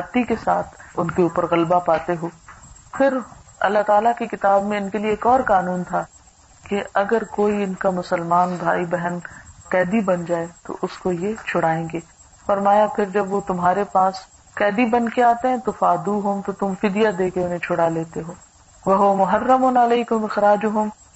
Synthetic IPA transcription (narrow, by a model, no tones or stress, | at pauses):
ɐt̪ːikesa̰ːt̪ʰʊnkeuːpəɾɣɐlbapaːt̪eɦoːfʰɪɾɐ̰lːaɦt̪aːlakikɪt̪aːbmẽɪnkelieeːkɔːɾkaːnuːnt̪ʰa | keɐɡəɾkoːiɪnkamʊsəlmaːnbʱa̰ːibɛɦənkɛːd̪ibɐnd͡ʒaːet̪o̰ʔʊskojet͡ʃʰʊɽaːẽːɡeː | fɐɾmaːjapʰɪɾd͡ʒɐbʋot̪ʊmɦaːɾepaːs | kɛːd̪ibɐnkeaːt̪eɦɛ̃t̪ofaːd̪uɦʊmt̪ot̪ʊmfɪd̪ijad̪eːkeʊnɦẽt͡ʃʰʊɽaleːt̪eɦoː | ʋɐɦʊamʊɦɐrːɐmʊːnɐleːkʊmɪxɾaːd͡ʒoɦʊm